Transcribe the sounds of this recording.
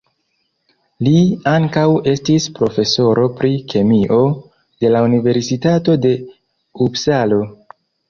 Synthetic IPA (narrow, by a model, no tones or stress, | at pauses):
liaŋkawe̞stispɾo̞fe̞so̞ɾo̞pɾike̞miʔo̞ | d̥e̞launive̞ɾsitato̞de̞ | ubsalo̞